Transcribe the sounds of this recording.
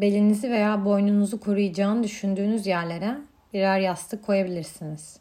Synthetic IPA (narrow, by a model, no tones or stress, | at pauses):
be̞lʲinizive̞jaːbo̞jnunuzukʰo̞ɾujad͡ʒaːnɯd̪yʃynd̪yːnyzjæɾlʲe̞ɾɛ | biɾæɾjast̪ʰɯkʰːo̞jabilʲiɾsiniz̥